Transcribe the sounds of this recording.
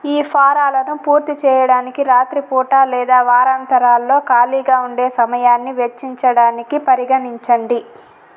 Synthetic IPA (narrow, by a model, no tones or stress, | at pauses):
iːpʰaːɾaːlɐnupuːɾt̪it͡ʃɛːjɐɽaːnikiɾaːt̪ɾipuːʈaːlɛːd̪aːʋaːɾaːnt̪ɐɾaːlːo̞ːkaːliːɡaːuɳɖe̞ːsɐmɐjaːnːiʋet͡ʃːiɲt͡ʃɐɽaːnikipɐɾiɡɐniɲt͡ʃɐɳɖi